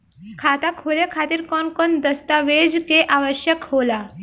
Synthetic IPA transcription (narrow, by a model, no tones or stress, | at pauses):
kʰat̪akʰolekʰat̪iːɾkɔnkɔnd̪əst̪aʋed͡ʑkeʔaʋəɕjəkɦola